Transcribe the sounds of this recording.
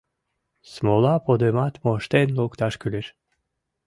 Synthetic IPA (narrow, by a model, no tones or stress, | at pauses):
smolˠapʰod̪ømat̪moʃt̪ɛnlokt̪ʰaʃkʰylyɾ